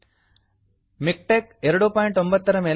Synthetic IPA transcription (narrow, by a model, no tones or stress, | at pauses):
mɪk̚ʈeːkɛɾɯɽupoːjɳʈɔmbɐt̪t̪ːɐɾɐmeːl